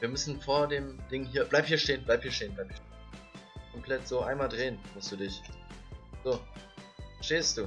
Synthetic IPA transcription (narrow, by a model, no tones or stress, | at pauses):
viːɐmʏsn̩foːɐdeːmd̥ɪŋɦiːɐb̥laɪp̚hiːɐʃteːənblaɪp̚hiːɐʃteːnblaɪp̚i | kʰɔmpʰl̥ɛtz̥oːʔaɪnmaːldʁeːənmʊstd̥uːdɪç | zoː | ʃteːstd̥uː